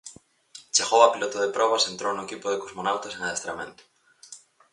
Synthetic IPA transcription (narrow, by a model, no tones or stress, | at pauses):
t͡ʃeɣowapilot̪oðepɾɔβ̞asent̪ɾownoekipoðekozmonawt̪aseŋaðest̪ɾamḛ̃nt̪o̥